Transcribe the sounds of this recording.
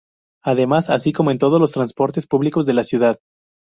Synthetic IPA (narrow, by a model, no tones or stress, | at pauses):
aðe̞masasiko̞moe̞nt̪oð̞o̞zlo̞s̬t̪ɾanspo̞ɾt̪e̞spuβliko̞zðe̞lasjuðað